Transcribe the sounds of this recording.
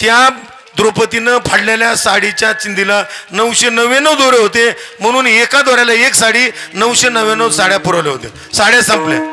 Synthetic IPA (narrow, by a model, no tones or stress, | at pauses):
t̪ja | d̪ɾopət̪inəpʰaɽleljasaɽit͡ɕjat͡ɕind̪ilanəwɕenəʋenəwd̪oɾeɦot̪em̤əɽ̃uːnekad̪aɾjalaeksaɽiːnəwɕenəʋenəwsaɽjapuɾaleɦot̪e | saɽjasãmplḛ